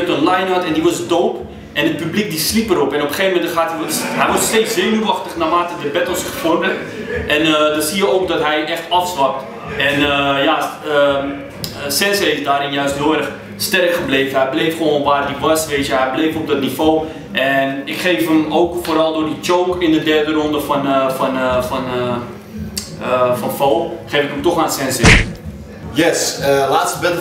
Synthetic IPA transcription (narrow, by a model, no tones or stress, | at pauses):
tənlajnɔtɛndiʋɔsdowp | ʔɛnət̚pyblik̚dislipəɾɔpɛnopəχeːvəmɛntəχaːtiʋɔɦɛjʋɔsstejt͡szejnuʋɑχtəχnamaːtədəbɛtɔsəχpʊrdə | ʔɛnədɔsiəowk̚dɔtɦɛjʔɛχtɑfslɑp̚t | ɛnjaə | sɛnsɛɪsdaːɾɪnjœɥstɦɪlɛrəχ | stɛrkχəblejvəɦɛjblejfχəʋoːnʋaːrdiʋɑsʋeːtəɦɛjblejfɔb̚dɔtnifoː | ʔɛnɪkχejfɦəmowkfoːɾɑlˠdʊːɹdit͡ʃowkɪndədɛrdəɾɔndəfɔnfɔnfɔn | fɑnfowχeːfɪkəmtɔχaːnsɛnse | jɛslaːtstəbɛn